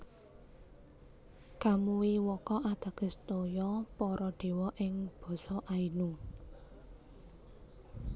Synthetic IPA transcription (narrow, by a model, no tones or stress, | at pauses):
kamuwiwɔkɔʔad̪̥ä̤ɡ̥ə̤st̪ojɔpɔɾɔɖ̪̥e̤wɔʔɪŋb̥ɔ̤sɔʔainu